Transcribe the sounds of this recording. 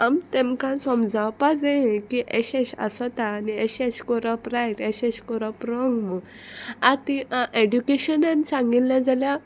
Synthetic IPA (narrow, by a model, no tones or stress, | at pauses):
amt̪ẽmkãsɔmd͡zawpad͡zẽɦẽkiʔeɕeɕa̰sɔt̪aːnieɕeɕkɔɾɔpɾajʈeɕeɕkɔɾɔpɾɔŋɡmu | at̪iãʔeɖjukeɕənansãŋɡilːãd͡zalja